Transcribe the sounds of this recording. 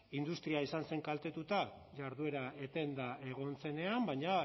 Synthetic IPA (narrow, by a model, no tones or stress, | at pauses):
ind̪ust̪ɾiaisanse̞ŋkalt̪e̞t̪ut̪a | ʝaɾðue̞ɾae̞t̪e̞nd̪aʔe̞ɣ̞o̞nt͡se̞ne̞ambaɲa